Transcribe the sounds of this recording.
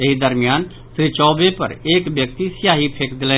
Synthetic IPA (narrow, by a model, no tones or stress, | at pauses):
eɦid̪əɾmjaːn | sɾit͡ʃɔːbepɐ̰ɾeːkbjək̚t̪isjaːɦipʰeːkd̪ɪlẽ